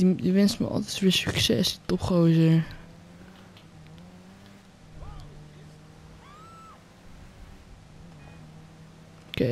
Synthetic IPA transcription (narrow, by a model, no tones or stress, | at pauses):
diʋɛnstmə̰ʔɔ̰lˠtɛtfəəsyksɛ̰stɔpχowzəɹ | k